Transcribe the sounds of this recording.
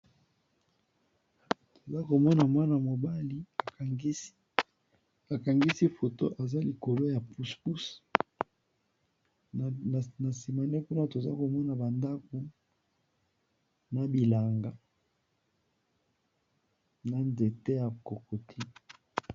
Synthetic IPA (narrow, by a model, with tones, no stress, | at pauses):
to˨za˦ko˨mɔ˦na˨mwa˦na˨mo˨ba˦li˦a˨˦ | a˨ka˨ŋɡi˦si˦fo˨to˦ʔa˨za˦li˨ko˨lo˦ja˨pu˨sku˦s | na˨si˨ma˨ne˦ku˦na˦to˨za̰˦ko˨mɔ˦na˨ba˨nda˦ko˨ | na˨bi˨la˨ŋɡa˨ | na˨nde˨te˦ja˨ko˨ko˨tʰi˦